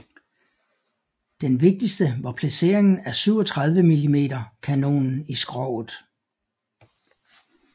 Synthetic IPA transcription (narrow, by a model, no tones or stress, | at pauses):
d̥enʋe̝ɡ̥̚d̥isd̥əʋɑ̈pʰlæse̝̰ːɐ̰e̝ŋn̩æɐsyʊ̰ɒt͡sʰʁɑ̈ð̞ˠʋəmilime̝̰ːdɐkʰæno̝̰ːnn̩isɡ̥ʁɒʊð̩ˠ